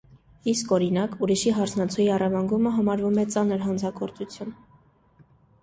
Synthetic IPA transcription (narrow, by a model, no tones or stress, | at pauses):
iskɔɾinɑkuɾiʃiɦɑɾt͡sʰnɑt͡sʰujiɑrɑvɑŋɡuməɦɑmɑɾvumɛt͡sɑnəɾɦɑnt͡sʰɑɡɔɾt͡sut͡sʰjun